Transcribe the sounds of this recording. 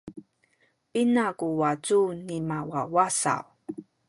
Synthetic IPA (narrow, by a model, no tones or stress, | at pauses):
pinakuwat͡sunimawawasa̰w